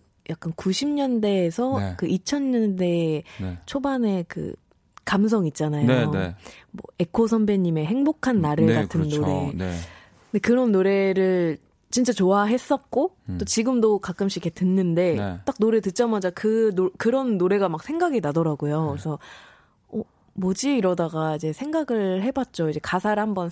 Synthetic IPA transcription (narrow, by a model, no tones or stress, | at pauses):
jak͈̚ankuɕʰimɲʌnde̞ːsʰʌkɯʔit͡ɕʰʌnɲʌnde̞t͡ɕʰobane̞kɯ̰ | kams̬ʰʌŋit̚t͡ɕ͈anajo̰mwʌ̰e̞kʰos̬ʰʌmbeɲime̞ɦe̞ŋbokʰanːaɾɯɭkatʰɯnːoɾe̞ | ɯndekɯɾʌnːoɾe̞ɾɯɭ | t͡ɕint͡ɕ͈at͡ɕoaɦe̞s͈ʌt̚k͈ot͈ot͡ɕiɡɯmdokak͈ɯmɕ͈ʰikʰetɯnːɯnde̞t͈ak̚noɾetɯt̚t͡ɕ͈amad͡ʑakɯnokɯɾʌnːoɾe̞ɡamak̚sʰe̞ŋɡaɡinadʌɾaɡojoesʰʌ | ʌ | mod͡ʑiːɾʌdaɡaid͡ʑe̞sʰe̞ŋɡaɡɯɭɦe̞bat̚t͡ɕ͈oid͡ʑe̞kasʰaɾhambʌn